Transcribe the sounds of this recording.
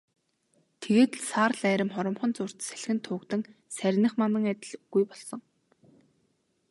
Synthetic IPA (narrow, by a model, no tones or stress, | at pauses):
t̪ʰeɣeːt̪saːrɮæːɾʲɪ̆mχɔɾɞ̆mχɞ̆nt͡sʊr̥t̪sæ̥ɮxɘ̆nt̪ʰʊːkt̪ɘ̆ŋsæɾʲɪnɘ̆χmanə̆ŋæt̪ʲɪ̆ɮɣujpɔɮsɞ̆ŋ